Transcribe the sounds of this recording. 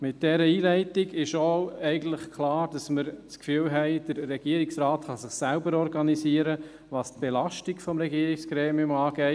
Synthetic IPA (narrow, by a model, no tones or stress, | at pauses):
mɪt̚d̥ɛɾəiːlɛɪtɪɡɪʃoɛɪɡən̩tləχkʰlɑːɾd̥ɑsməɾt͡skfyːlɦɛɪd̥əɾːɛɡ̥iəɾiksɾaːtχɑsɪχsælbəɾɔɾɡɑnisiːəɾə | ʋɑːst̚b̥elɑʃtiɡfɔmɾɛɡiəɾikskɾeːmiʊmɑːɡɛɪ